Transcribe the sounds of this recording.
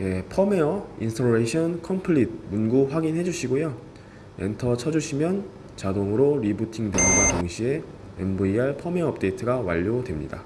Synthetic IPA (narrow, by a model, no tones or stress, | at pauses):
je̞pʰʌme̞ʌinsʰoɾeɕʰʌnkʰʌmpʰɯɭit̚munɡuɸwaɡinɦe̞d͡ʑuɕʰiɡojo | e̞̰ntʰʌt͡ɕʰʌd͡ʑuɕʰimjʌn | t͡ɕadoŋɯɾoɾibutʰiŋdeɡoɡatoŋɕʰie̞ | ḛmbuiaɭpʰʌme̞ʌʌp̚t͈e̞itʰɯɡawa̰ʎːodwe̞mɲḭda̰